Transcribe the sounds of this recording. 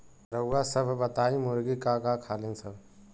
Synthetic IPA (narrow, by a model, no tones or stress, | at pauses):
ɾəːaːsəbʱbət̪aːĩmʊɾɡiːkaɡaːkʰaːliːnsəbʱ